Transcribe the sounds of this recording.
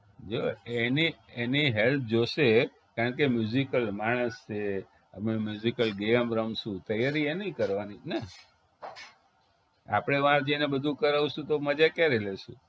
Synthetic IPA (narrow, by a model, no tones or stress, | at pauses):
d͡ʒoenieniɦelp̚ʰd͡ʒoʃe | kaɾəɳkemjuzikəlmaɽ̃əst͡ʃʰe | ə̰mnemjuzikəlɡeəmɾəmʃũt̪əjaɾienəĩkəɾʋanine | a̰pɽ̃eʋãɾd͡ʒenebəd̪ʱũkəɾaʋ̃ʃũt̪oməd͡ʒakeɾeleʃũ